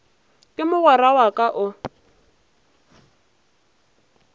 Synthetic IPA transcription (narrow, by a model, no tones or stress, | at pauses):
kʼɪmʊɣɛrawakʼaʔʊ